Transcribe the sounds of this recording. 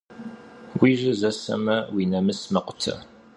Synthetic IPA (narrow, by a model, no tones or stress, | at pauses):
wiʒəzɐsɐ̰mɐwinɐməsmɐqʷʊ̥tʰːɐ̰